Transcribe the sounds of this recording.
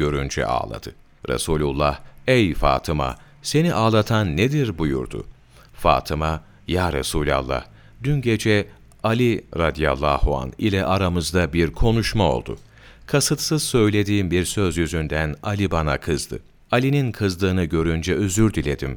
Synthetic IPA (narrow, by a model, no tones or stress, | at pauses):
ø̞ɾynd͡ʒɛ̰ʔa̰ːlˠa̰d̪̥ɯ | ɾa̰suːlʲulˠːahejfa̰ːt̪ʰɯma̰ | se̞niʔaːlˠat̪ʰanːed̪iɾbujṵɾd̪ʊ̰ | fa̰ːt̪ʰɯma | jaːɾasuːlʲa̰lˠːa̰h | d̪ynɟe̞d͡ʒɛ | alʲiɾad̪ija̰lˠːaːhua̰nḭlʲɛʔaɾamɯzd̪abiɾkʰo̞nuʃmao̞̰lˠd̪ʊ̰ | kʰasɯt̪sɯz̥sø̞jlʲe̞d̪iːmbiɾsø̞zjyzynd̪ænalʲibanakʰɯzd̪ɯ | alʲininkʰɯzlˠɯːnɯɟø̞ɾynd͡ʒɛøzyɾd̪ilʲe̞d̪im